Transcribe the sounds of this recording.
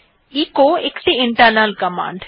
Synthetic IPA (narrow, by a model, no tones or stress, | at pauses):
iːkoːekʈiɪɳʈəɾnəlkɐmã̰ːɳɖ